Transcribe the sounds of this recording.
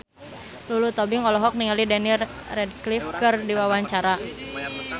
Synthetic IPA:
lulut̪ɔbiŋɔlɔɦɔk̚niŋalidɛnir | rɛd̚klifkɨrdiwawaɲt͡ʃaɾa

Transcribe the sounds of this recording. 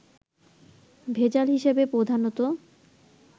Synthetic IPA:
bʱed͡ʑalɦiʃebepɾod̪ʱanot̪o

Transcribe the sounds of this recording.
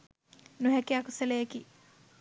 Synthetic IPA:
nuɦɛkiakuselejeki

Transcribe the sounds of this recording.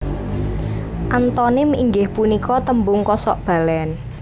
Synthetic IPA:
ʔant̪ɔnɪmḭŋɡɪhpunikɔt̪əmbʊŋkɔsɔʔb̥a̤lɛn

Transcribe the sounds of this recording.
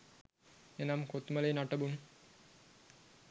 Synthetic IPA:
enamkot̪məleːnaʈəbum

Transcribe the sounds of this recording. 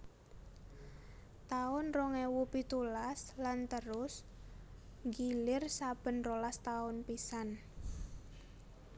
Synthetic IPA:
t̪aʊnroŋewupit̪ulaslant̪əɾʊs | ŋɡilɪrsab̥ə̤nrolast̪aʊnpisan

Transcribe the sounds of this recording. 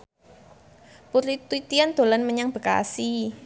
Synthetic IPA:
puɾit̪wit̪iand̪̥o̤lanməɲaŋb̥ə̤ka̰si

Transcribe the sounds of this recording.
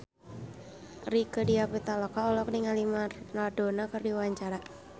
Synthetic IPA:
rikədiapit̪alɔkaɔlɔk̚niŋalimarnadonakərdiwaɲt͡ʃaɾa

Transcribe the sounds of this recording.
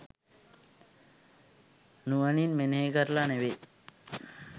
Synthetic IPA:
nuʋaninmeneɦekəɾlaneʋe

